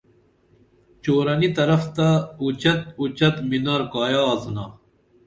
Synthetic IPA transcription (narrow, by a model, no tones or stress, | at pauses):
t͡ɕoːɾɐnit̪ɐɾɐft̪ɐut͡ɕɐt̪̚ut͡ɕɐt̪minɐɾkaːjaːznaː